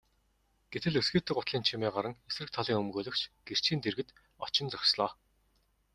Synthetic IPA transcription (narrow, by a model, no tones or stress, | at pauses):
ɡ̥et̪ɘ̆ɮɵsɡeːt̪ʰɘ̆kʊt̪ɮiːnt͡ɕʰimeːɢaɾə̆ŋes̆rɘ̆k̚t̪ʰaɮiːŋɵmɡɵːɮɵ̆kt͡ɕɡ̥er̥t͡ɕʰiːnt̪erɣɘ̆t̪ | ɔt͡ɕɪ̆nt͡sɔkʲsɮɔː